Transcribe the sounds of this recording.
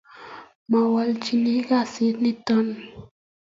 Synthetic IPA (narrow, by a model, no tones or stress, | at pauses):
mawalt͡ʃiniɡasinit̪on